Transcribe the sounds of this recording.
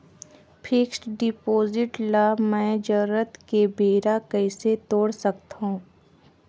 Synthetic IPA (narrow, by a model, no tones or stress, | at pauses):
pʰɪksʈɖɪpoːzɪʈlaːmɛ̃ːd͡ʒəɾət̪kebeːɾakəɪset̪oːɽsɐkt̪aɦũ